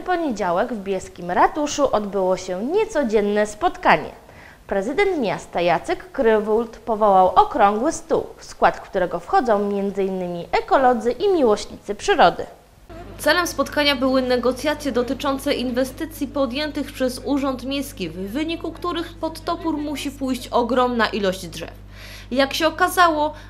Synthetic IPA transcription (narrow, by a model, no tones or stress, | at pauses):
pɔɲed͡ʑawɛɡvbʲjɛskʲimɾat̪uʂuʔɔd̪bɘwɔɕɛɲɛt̪sɔd͡ʑɛnːɛspɔt̪kaɲɛ̰ | pɾɛzɘd̪ɛnt̪mʲast̪ajat̪sɛkːɾɘvult̪pɔvɔwawʔɔkɾɔŋɡwɘst̪ṵwfskwat̪kt̪uɾɛɡɔfxɔd̪zɔ̃w̃mʲjɛnd̪zɘinːɘmʲiʔɛkɔlɔd̪zɘʔimʲiwɔɕɲit̪sɘpʂɘɾɔd̪ɘ̰ | t̪sɛlɛmspɔt̪kaɲabɘwɘnɛɡɔt̪sʲjat̪sʲjɛd̪ɔt̪ɘt͡ʂɔnt̪sɛʔinvɛst̪ɘt̪sʲjipɔd̪ʲjɛnt̪ɘxpʂɛzuʐɔnt̪mʲjejskʲivːɘɲikukt̪uɾɘxpɔt̪ːɔpuɾmuɕipujɕt͡ɕɔɡɾɔmnaʔilɔʑd͡ʑd̪ʐɛ̰f | jakɕɛɔkazawɔ